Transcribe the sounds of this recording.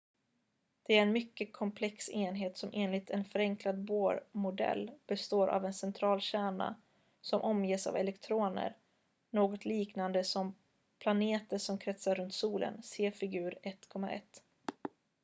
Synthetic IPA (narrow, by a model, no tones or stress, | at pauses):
d̪̥ɛæɾɛnmʏkːəkʰɔmpʰlɛkseːnɦeːt̪sɔmʔeːnlɪt̪ʰɛnfœɾɛŋklad̪boːɾmʊd̪ɛ̰lːb̥ɛst̪oːɾʔa̰vɛnsɛnt̪ʰɾɑːlɕæːɳa̰ | sɔmʔɔmjeːsa̰vɛlɛkt̪ʰɾoːnə̰ɾ | noːɡɔt̪ʰliːknand̪əsɔm | pʰlaneːt̪əsɔmkʰɾɛt̪saɾːɵnt̪suːlʔə̰nseːfɪɡʉ̟ːɾɛt̪ːkʰɔmːa̰ʔɛ̰t̪ː